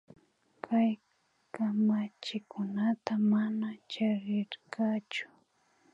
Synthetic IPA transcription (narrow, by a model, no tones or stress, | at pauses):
kʰaj | kamat͡ʃɪkʰʊnat̪amanat͡ʃaɾɪɾkɑt͡ʃʊ̥